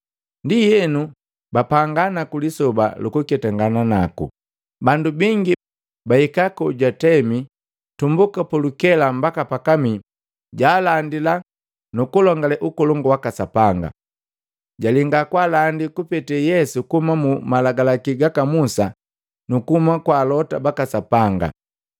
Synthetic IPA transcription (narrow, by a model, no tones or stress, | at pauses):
ndijɛnu | bapaŋɡanakulisɔba̰lukukɛtaŋɡananakṵ | bandubiŋɡi | baikakɔɟwatɛmi | tumbukapulukɛlambakapakami | ɟaːlandila | nukulɔŋɡalɛʔukɔlɔŋɡuwakasapaŋɡa̰ | ɟaliŋɡakwaːlandikupɛtɛjɛsukuhumamumalaɡalakiɡakamusa | nukuhumakwaːlɔtabakasapaŋɡa̰